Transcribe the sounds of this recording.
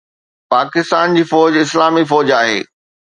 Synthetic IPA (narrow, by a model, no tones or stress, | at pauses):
paːkɪst̪aːnd͡ʑiːfɔːd͡ʑɪslaːmifɔːd͡ʑaːɦḛː